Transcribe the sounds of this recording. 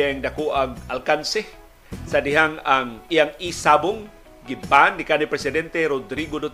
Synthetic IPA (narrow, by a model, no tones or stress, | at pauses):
ɛŋd̪akoʔaŋalkansɛ | sad̪ɪɦaŋaŋijaŋisaboŋ | ɡɪmpanːikanipɾɛsɪd̪ɛnt̪ɛɾod̪ɾiɡod̪ot̪